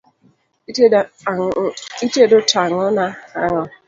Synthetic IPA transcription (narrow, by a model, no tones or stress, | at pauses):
itedʊtaŋɔnaaŋɔ